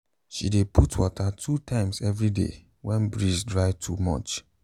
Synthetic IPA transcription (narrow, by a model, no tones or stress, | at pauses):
ʃḭdepʰutʰwɔtʰatʰutʰãɪ̃msɛvɹidḛ | wɛ̃nbɹisdɹaɪtʰumɔ̰t͡ʃ